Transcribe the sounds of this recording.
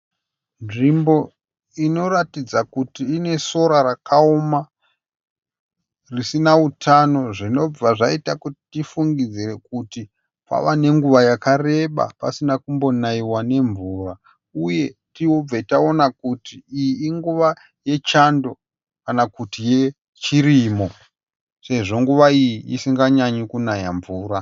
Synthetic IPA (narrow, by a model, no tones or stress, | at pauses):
nʐimbo̞ | ino̞ɾatid͡zakutiːne̞so̞ɾaɾakʰaoma | risinautʰano̞ʐino̞b͡vaʐaitakuti̥tifuŋɡid͡zire̞kuti | pa̰ʋane̞ŋɡuʋajakare̞ɓa̰pasinakumbo̞naiwane̞ɱvuːra | uje̞tiob͡vetao̞nakutiijiːŋɡuʋa | je̞t͡ʃando̞ | kanakutije̞ | t͡ʃirimo̞ | se̞ʐo̞ŋɡuʋaijiisiŋɡaɲaɲikunajaɱvuːɾa